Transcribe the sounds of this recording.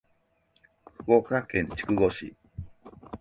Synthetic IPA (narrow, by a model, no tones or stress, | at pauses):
ɸɯokakẽ̞ɲt͡ɕi̥kɯ̟ɡo̞ɕḭ